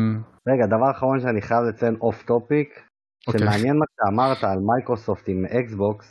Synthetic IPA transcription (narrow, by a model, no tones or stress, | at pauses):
ʁe̞ɡad̪avaʁaχaʁo̞nʃeaniχajavlet͡senʔo̞ft̪o̞pik | ʃemeanjenmaʃeamaʁt̪aːlmajkʁoso̞ft̪imeʔeksbo̞ks